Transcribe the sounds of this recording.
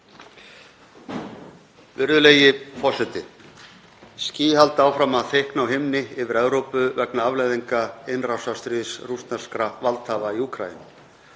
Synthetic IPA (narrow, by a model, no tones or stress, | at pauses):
vɪɾðʏleːjɪfɔr̥sɛt̪ɪ | sciːɦalt̪aːwfɾamaθejhknawɦɪmnɪɪvɪɾɛvɾowpʏvɛknaaːvlejðiŋkaenrawsast̪ɾiðsrust̪nar̥skɾavalt̪haːvaiukʰɾa̰jḭnɪ